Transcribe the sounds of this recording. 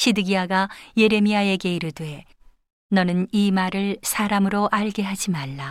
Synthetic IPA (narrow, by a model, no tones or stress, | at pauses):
ɕʰidɯɡiaɡaje̞ɾe̞miae̞ɡe̞iɾɯɭdwe | nʌnɯnimaɾɯɭsʰaɾamɯɾoʔaɭɡe̞ɦad͡ʑimaɭːa